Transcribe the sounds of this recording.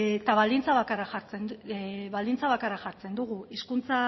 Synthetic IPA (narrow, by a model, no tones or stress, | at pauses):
t̪aβald̪int͡saβakaraxaɾt͡senβald̪int͡saβakaɾaxaɾt͡se̞nd̪uɣuiskunt͡sa